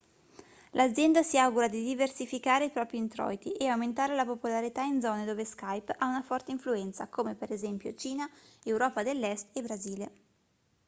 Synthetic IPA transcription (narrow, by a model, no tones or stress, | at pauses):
lʔad̪zːjɛnd̪asiawɡuɾad̪id̪iversifikaːɾeipɾɔːpɾint̪ɾɔ̰jt̪iʔeawment̪aːɾelapopolaɾit̪aind̪zɔːned̪oːveskajpaunafɔrt̪eiɱfluɛnt̪sa̰koːmepeɾezɛmpjo̰t͡ʃiːnaewɾɔːpad̪elːɛst̪ebɾaziːle